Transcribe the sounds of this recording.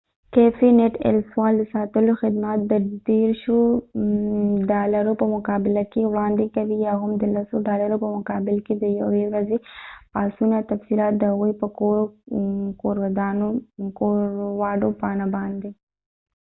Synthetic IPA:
kefineʈɛ̰lswɑld̪əsɑt̪əloxɪd̪mat̪̚d̪ədeɾʃo | ɖɑlaɾopəmʊkɑbɪlakewɽɑnd̪ekawijawɦamd̪əlasoɖɑlaɾopəmʊkɑbɪlked̪əjawewɾazepɑsunat̪afsilɑt̪̚d̪əhaɣujpəko | koɾwad̪ɑnooɾwɑɖopɑnabɑnd̪e

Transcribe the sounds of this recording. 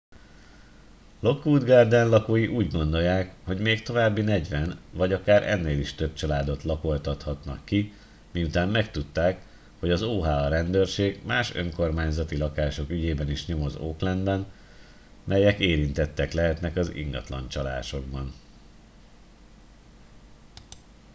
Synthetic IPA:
lo̞kːuːd̪ɡard̪ɛnlɒkoːjiʔuːɟɡo̞nd̪o̞jːaːkho̞ɟmeːkt̪o̞vaːbːinɛɟʋɛnvɒɟɒkaːɾʔɛ̰nːeːliʃt̪øb̚t͡ʃɒlaːd̪o̞t̪lɒko̞lt̪ɒt̪hɒt̪nɒ̰kːi | miut̪aːmmɛkt̪ut̪ːaːk | ho̞ɟɒzoːɦaːɒɾɛnd̪øːrʃeːɡmaːʃøŋko̞rmaːɲzɒt̪ilɒkaːʃo̞kyɟeːbɛniʃɲo̞mozoːklɛnbɛn | mɛjɛkeːɾint̪ɛt̪ːɛklɛɦɛt̪nɛkɒzḭŋɡɒ̰t̪lɒ̰nt͡ʃɒla̰ːʃo̞ɡ̚bɒn

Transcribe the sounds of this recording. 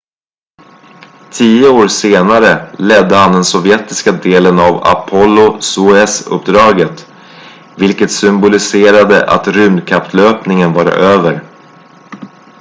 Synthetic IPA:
t̪ʰiːəoːɾseːnaɾəlɛd̪ːəhand̪ɛnsɔvjɛt̪ɪskad̪eːlənava̰pʰɔlːʊsuɛsɵ̰pːd̪ɾɑːɡət̪ | vɪlkət̪sʏmbʊlɪseːɾad̪əʔa̰t̪ɾʉ̟mnkʰapt̪løːpnɪŋənvɑːɾa̰ʔøːvəɾ

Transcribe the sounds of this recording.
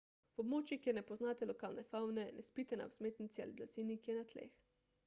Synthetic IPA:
wɔbmoːt͡ʃjikjeɾnɛpɔznaːt̪ɛlɔkaːlnɛfawnɛnʔɛspit̪ɛna̰wzmeːt̪nit̪sʲɛa̰liblaz̥inikjɛnat̪lḛx

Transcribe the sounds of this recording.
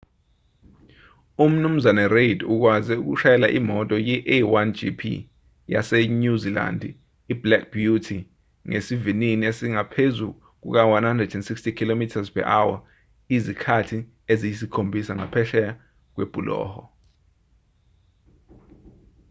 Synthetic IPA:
um̩num̩zanɛreduk̬wazɛuk̬ṵʃajɛlaʔimɔtʼɔjiʔɛwand͡ʒḭpʰḭ | ja̰sɛɲuzila̰nd | iblɛk̚b̥jutʰi | ŋesivininiesiŋapʰezu | k̬ṵk̬awanhandrɛdɛntsikstikʰilomitʰazpʰɛ̰ʔawa | izikʰatʰi | ezijisikʰombʱisaŋa̰pʰɛʃɛja | k̬wḛb̥ʱulʔɔ̰ːhɔ

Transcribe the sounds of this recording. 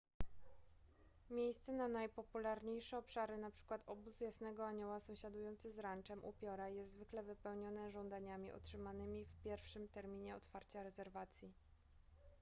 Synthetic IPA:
mʲjejst̪sɛnanajpɔpulaɾɲejʂɛɔpʂaɾɘnapʂɘ̥kwat̪ɔbuzjasnɛɡɔaɲɔwasɔ̃w̃ɕad̪ujɔnt̪sɘzɾant͡ʂɛmʔṵpʲjɔɾajɛst̪zvɘklɛvɘpɛwɲɔnɛʐɔnd̪aɲamʲiʔɔ̰tʂɘmanɘmʲifpʲjɛɾfʂɘmt̪ɛɾmʲiɲɛɔ̰t̪faɾt͡ɕaɾɛzɛɾvat̪sʲji

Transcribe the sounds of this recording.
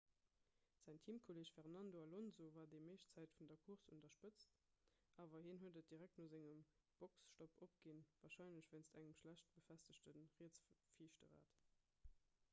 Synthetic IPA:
z̥æɪŋtʰiːmkʰoleːʃfɛʁnɑndoɑlonzovaːɐdemeɪʃt͡sæɪtfundɐkʰuʁsṵntɐʃpət͡st | ʔaːvɐhinɦuədət̚d̥iʁæk̚tnoːzæŋəm | b̥oksʃtopʰop̚ɡ̥invaːʁʃɑɪnləɕv̥eɪnstæŋəmʃlæɕt̚b̥əfæstəɕtənʁiət͡sfiːʃtəʁa̰ːt

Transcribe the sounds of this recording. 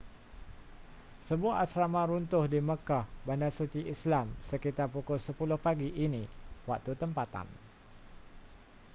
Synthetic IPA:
səbuaʔasɾamãɾunt̪ʊhdiməkahbandasut͡ʃiʔislamsəkit̪arpukʊlsəpulʊhpaɡiʔinĩwak̚t̪ut̪əmpat̪a̰n

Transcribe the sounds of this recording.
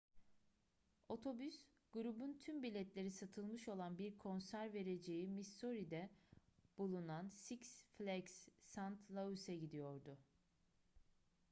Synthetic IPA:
o̞t̪ʰo̞bys | ɡ̥uɾubunt̪ʰymbilʲɛt̪lʲe̞ɾisat̪ʰɯlˠmɯʃo̞lˠanbiɾkʰo̞nsæɾve̞ɾe̞d͡ʒe̞jimist̪o̞ɾid̪ɛ | b̥ulˠunansiksflʲɛksːant̪ʰlˠausɛɟid̪ijo̞ɾd̪ʊ

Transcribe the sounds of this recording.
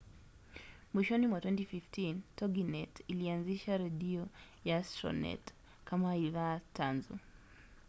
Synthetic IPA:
mwiʃɔnimwatwɛntififtintɔɡinɛtilianziʃaɾɛɗiɔjastɾɔ̰nɛ̰t | kamaiðatʰanzṵ

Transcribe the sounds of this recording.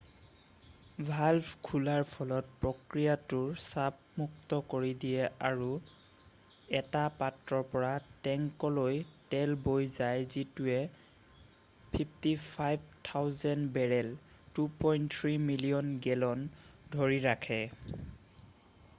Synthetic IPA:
bʱalbkʰulaɹpʰɔlɔt̚pɹokɹijatʊɹsab | muktɔkoɹidijɛaɹu | ɛtapatɹɔɹpɔɹatɛŋkɔlojtɛlbojzajzituɛ | pʰipʰtipʰajb̚ʱtʰawzɛnbɛɹɛl | tupɔjntʰɹimilijɔnɡɛlɔndʱoɹiɹakʰɛ

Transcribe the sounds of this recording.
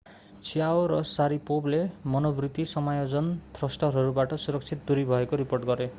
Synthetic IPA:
t͡sʰijaoɾʌsaɾipoblemʌnobrit̪isʌmajod͡zʌnt̪rʌsʈʌɾʌɾubaʈʌsuɾʌk̚t͡ʃʰit̪̚d̪uɾibʱʌekoɾiporʈɡʌɾe

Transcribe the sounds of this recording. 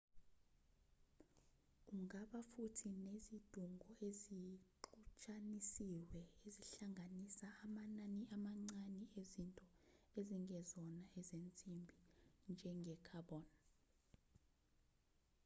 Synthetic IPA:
uŋaɓafutʰinezid̥ʱuŋɡʱɔeziǃut͡ʃʰʼanisiwɛeziɬaŋʱanisaːmananiamaŋ͡ǀaniezintʼɔeziŋɡɛzɔnaɛzent͡sʼimbʱind͡ʒʱɛŋɡʱɛkʰaɓɔːna

